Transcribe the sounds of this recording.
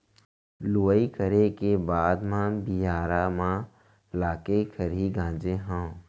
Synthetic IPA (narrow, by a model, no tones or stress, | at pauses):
loːəikəɾekebaːd̪mãbijaːɾamã | laːkekʰəɾiɡʱãːd͡ʒeɦã